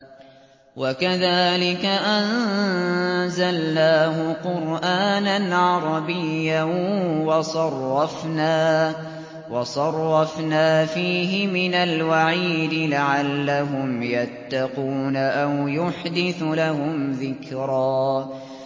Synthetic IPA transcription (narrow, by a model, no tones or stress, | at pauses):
wakaðaːlɪkaʔan | zalːaːɦʊqʊɾʔaːnanʕɑɾˤɑbɪjːawɑsˤɑrˤːɑfnaː | wɑsˤɑrˤːɑfnaːfiːɦɪmɪnalwaʕiːd̪ɪlaʕalːaɦʊmjat̪ːɑquːnaʔawjʊħd̪ɪθlaɦʊmðɪkɾɑː